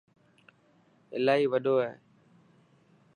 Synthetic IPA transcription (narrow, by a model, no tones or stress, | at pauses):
ɪ̰laːɦiːʋəɗoːɦeː